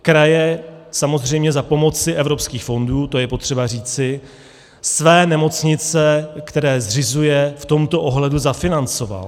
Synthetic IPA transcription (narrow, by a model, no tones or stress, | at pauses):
kɾajɛsamo̞zr̝ɛjmɲɛzapo̞mo̞t͡sɪʔɛvɾo̞pskiːxfo̞nduːt̪o̞jɛpo̞t̪r̝̥ɛbar̝iːt͡sɪ | svɛːnɛmo̞t͡sɲɪt͡sɛkt̪ɛɾɛːzr̝ɪzujɛft̪o̞mt̪o̞ʔoɦlɛduzafɪnant͡so̞va̰l